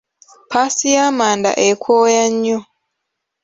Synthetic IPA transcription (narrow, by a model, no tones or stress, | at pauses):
pasijamaːnda̰ʔekʰoːjaɲːo